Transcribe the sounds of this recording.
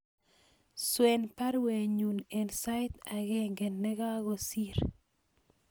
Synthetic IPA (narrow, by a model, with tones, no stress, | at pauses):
swe˨npa˦ɾwe˨ɲu˨ne˨nsa˦ɪ˦t̪a˨ɣeŋɡɛ˨nːɛ˦ɡa˦ɣo˨si˦ɾ